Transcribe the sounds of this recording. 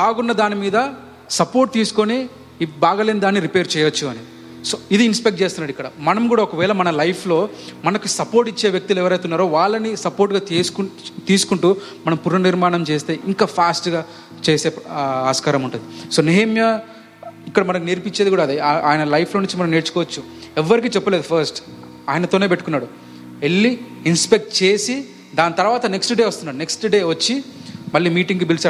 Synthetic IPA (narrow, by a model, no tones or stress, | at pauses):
taːɡunːɐd̪aːnimiːd̪ɐ | sɐpoːɾʈ̚t̪iːsu̥koni | baːɡaːleːnid̪aːnːiɾipeːɾt͡ʃɛːjɐt͡ʃːuɐni | soːid̪iːnspek̚ʈ̚t͡ʃeːst̪unːɐːɽikːɐɽɐmɐnɐmkɡuːɽaːɔkɐʋɛːɭɐmɐnɐlɐjpʰlo̞ː | mɐnɐkusɐpoːɾʈit͡ʃːe̞ːʋjɐk̚t̪ulɛʋɐɾɐjt̪unːaːɾoːʋaːɭːɐnisɐpoːɾʈɡaːt̪ːkt̪iːsu̥kuɳʈuː | mɐnɐmpuɾnɐniɾmaːnɐmt͡ʃeːst̪e̞ːʔiŋkaːpʰaːsʈɡaː | t͡ʃe̞ːse̞ːaːskaːɾɐmuɳʈund̪isoːneɦɐmjɐ | ikːɐɽɐmɐnɐkneːɾpiɲt͡ʃːed̪ikuːɽaːd̪eʔaːjɐnɐlɐjpʰloːniɲt͡ʃːimɐnɐmneːɽt͡ʃu̥kɔːʋɐt͡ʃːu | ɛʋːɐɾikiːt͡ʃɛpːɐleːd̪upʰɐɾsʈ | aːjɐnɐt̪oːne̞ːpe̞ʈːukunːaːɽu | elːiinspek̚ʈt͡ʃe̞ːsi | d̪aːnt̪ɐɾʋaːt̪ɐneksʈɖe̞ːʋɐst̪unːaːɽune̞ksʈɖe̞ːʋɐt͡ʃːimɐɭːiːmiːʈiŋɡubilsaː